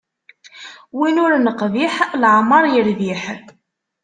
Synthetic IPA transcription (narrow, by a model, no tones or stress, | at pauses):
winʊɾnəqviħlʕməɾˤjəɾviħ